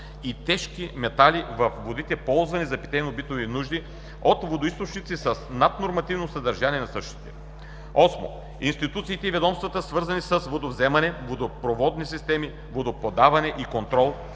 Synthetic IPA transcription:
it̪ɛʃkimɛt̪alivɐfvod̪it̪ɛpɔlˠzvɐnizɐpi̥t̪ɛjnobit̪ovinuʒd̪i | ot̪vod̪oist̪ot͡ʃnit̪sisəsnat̪noɾmɐt̪ivnosɐd̪ɐɾʒaniɛnɐsɤʃt̪i̥t̪ɛ̥ | ɔsmo̰ | inst̪it̪ut̪siːt̪ɛivɛd̪ɔmst̪vɐt̪əsvɤɾzɐnisəsvod̪ovzɛmɐnɛvod̪opɾovɔd̪nisist̪ɛmi | vod̪opod̪avɐnɛʔikont̪ɾɔlˠ

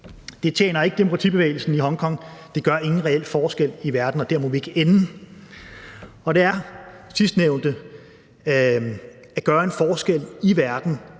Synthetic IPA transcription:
d̥e̝t͡ɕʰjḛːnɐe̝ɡ̥əd̥e̝mo̝kʰʁɑ̈t͡sʰḭb̥e̝ʋḛːɪl̩sn̩iɦɒ̽ŋkʰɒ̽ŋ̰d̥e̝ɡ̥ɶɐe̝ŋn̩ʁɛel̰fɒːsɡ̥el̰iʋæɐd̥n̩ɒ̽d̥eɐmɒ̽ʋie̝ɡ̥əen | ɒ̽d̥e̝æɐsisd̥neʊnd̥ə | æɡ̥ɶːɐe̝nfɒːsɡ̥el̰iʋæɐd̥n̩

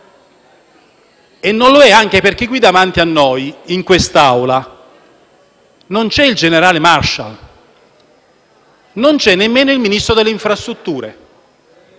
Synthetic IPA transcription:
enːonloɛaŋk̟eperk̟iɡwid̪amant̪ianːɔjiŋkwest̪awla | nont͡ʃɛild͡ʒeneɾaːlemarʃa̰l | nont͡ʃɛnːemːeːnoilminist̪ɾod̪elːeiɱfɾast̪ɾut̪ːuːɾḛ

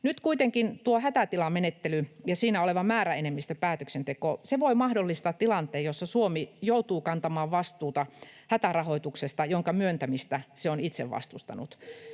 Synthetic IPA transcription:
nyt̪kuit̪eŋkint̪uohæt̪æt̪ilɑmenet̪ːelyjɑsiːnæoleʋɑmæːɾæenemːist̪øpæːt̪øksent̪ekoseʋoimɑhdolːist̪ɑːt̪tːilɑnt̪eːjosːɑsuomijout̪uːkɑnt̪ɑmɑːʋʋɑst̪uːt̪ɑhæt̪ærɑhoit̪uksest̪ɑjoŋkɑmyønt̪æmist̪æseonit̪sḛʋʋɑ̰st̪ust̪ɑ̰nut̪

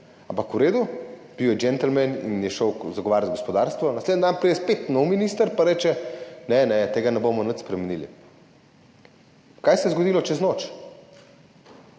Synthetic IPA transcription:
ãmpɐkuɾeːd̪ub̥iwjɛd͡ʒɛnt̪əl̩mɛnḭnjɛʃəwzaɡɔʋaːɾzɡospɔd̪aːɾst̪ʋɔnɐsled̪nd̪anpɾid̪ɛspet̪nɔwminist̪əɾpaɾɛːt͡ʃɛnɛnɛt̪eːɡanɛbomɔnət̪spɾɛmɛnilḭ | kajsɛjɛzɡod̪ilɔt͡ʃɛznoːt͡ʃ

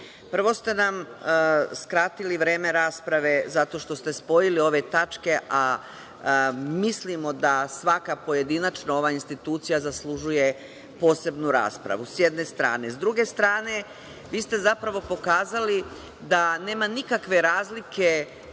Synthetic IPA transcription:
pr̩ʋo̞st̪e̞nam | skɾat̪iliʋɾe̞ːme̞ɾaːspɾaʋe̞zat̪o̞ʃt̪o̞st̪e̞spo̞jilio̞ʋe̞t̪at͡ʃke̞ʔa | mislimo̞d̪asʋakapo̞je̞d̪inat͡ʃnoo̞ʋaːinst̪it̪uːt̪sijazaslˠuʒuje̞ | po̞ːse̞bnuɾa̰ːspɾa̰ʋusjed̪ne̞st̪ɾa̰ːne̞zd̪ɾuɡe̞st̪ɾaːne̞ | ʋiːst̪e̞zapɾaʋo̞po̞kaːzali | d̪ane̞ːmanikakʋe̞ɾaːzlike̞

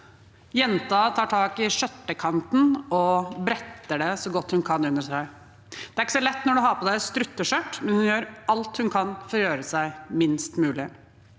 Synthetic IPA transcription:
jɛnt̪ɑt̪ʰɑːʈʰɑːkɪʂœt̪ːəkʰɑnt̪n̩ɔbɾɛt̪ːəɖɛsɔɡɔt̪ːhʉnkʰɑnʉnːəʂæɪ | d̪̥ɛæɾɪkːə̥sɔlɛt̪ːnɔɖʉɦɑpʰɔd̪æɪst̪ɾʉt̪ːəʂœʈmɛnhʉnjøːɾʔɑlt̪hʉnkʰɑnfɔɾjøːɾəsæɪmɪnst̪mʉːlɪ

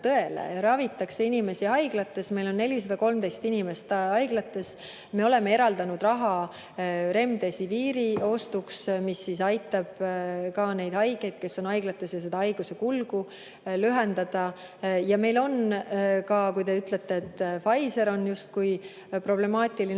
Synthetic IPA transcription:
t̪ɤe̞lḛɾɑvit̪ːˑɑkseinime̞siɑjɡ̥lɑt̪ːˑe̞sme̞jlo̞nːe̞lis̬ɑd̪̥ɑko̞lmd̪e̞jst̪inime̞st̪ɑjɡ̥lɑt̪ːˑe̞s | me̞o̞le̞me̞e̞ɾɑld̪̥ɑnud̪̥rɑɦɑ | ɾe̞md̪̥e̞siviːɾio̞st̪uksmisːisɑjt̪ˑːɑb̥kɑːne̞jd̪hɑjɡ̥e̞jd̪̥ke̞sːo̞nɑjɡ̥lɑt̪ːˑe̞sjɑse̞d̪ɑɑjɡ̥use̞kulɡ̥u | lyɦend̪̥ɑd̪̥ɑ | jɑme̞jlo̞nkɑkujd̪e̞yt̪le̞t̪ːeːt̪ːfɑjse̞ɾo̞njust̪̚kuj | pro̞ble̞mɑːt̪ʲˑili

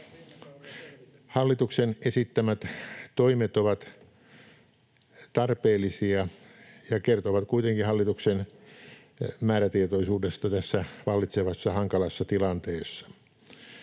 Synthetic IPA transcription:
hɑlːit̪uksenesit̪ːæmæt̪t̪oimet̪oʋɑt̪ | t̪ɑrpeːlːˑisiɑ | jɑkert̪oʋɑt̪kuit̪eŋkihɑlːit̪uksen | mæːɾæt̪iet̪oisuːdest̪ɑt̪æsːæʋɑlːit̪seʋɑsːɑhɑŋkɑlɑsːɑt̪ilɑnt̪eːsːɑ̥

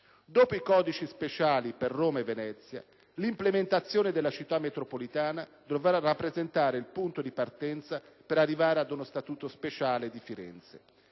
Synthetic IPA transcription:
d̪oːpoikɔːd̪it͡ʃispet͡ʃaːliperːoːmaevːenɛt̪sːja̰ | limplement̪at̪sːjoːned̪elːat͡ʃit̪ːamːet̪ɾopolit̪aːnad̪ovarapːɾezent̪aːɾeilpunt̪od̪ipart̪ɛnt̪sa | peɾarːivaːɾead̪unost̪at̪uːt̪ospet͡ʃaːled̪ifiɾɛ̰nt̪sḛ

